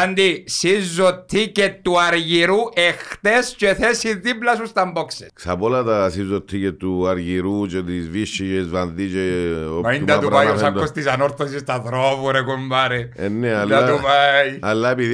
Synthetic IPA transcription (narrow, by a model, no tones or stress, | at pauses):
ɐnd̪isizːot̪ʰːicet̪ːuɐɾʝiɾuʔext̪est͡ʃoeθesiðiplɐsust̪ɐmboksessɐpolɐt̪ɐsizot̪ʰːicet̪ːuaɾʝiɾut͡ʃet̪izviʃːit͡ʃezvɐnðit͡ʃeomɐind̪ɐt̪upajosɐk̪ːost̪isɐnoɾt̪ɐs̬ist̪ɐðɾovuɾekumbɐɾeenːed̪ɐt̪upajɐlːapið